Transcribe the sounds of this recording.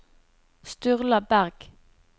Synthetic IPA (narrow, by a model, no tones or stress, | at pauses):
st̪ʉʁləbæʁɡ̥